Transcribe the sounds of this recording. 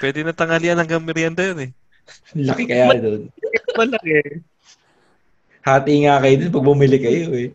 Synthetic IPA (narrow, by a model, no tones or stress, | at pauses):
pwɛːd̪ɪnɐt̪ɐŋɐlɪɐnɐŋɡɐŋmɛɾjand̪ɐjonɛ | lɐkɪkɐjaːd̪onkɐɐmɐlɐkɛ | haːt̪iŋaːkɐjod̪onpɐɡ̚bumɪlɪkɐjoɛ